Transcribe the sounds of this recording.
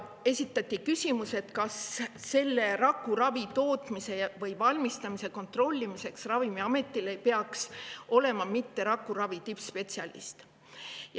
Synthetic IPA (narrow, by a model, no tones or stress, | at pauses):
e̞sʲit̪ːˑɑt̪ʲːˑikysʲimuse̞t̪kɑsːe̞lːe̞ɾɑkːˑuɾɑvit̪o̞ːt̪ˑmise̞vɤjvɑlʲmist̪ɑmise̞ko̞nt̪ro̞lʲːimise̞ksrɑvimiɑme̞t̪ːˑile̞jpeɑkso̞le̞mɑmit̪ːe̞ɾɑkːˑuɾɑvit̪ipspe̞t̪siɑlḭst̪ | j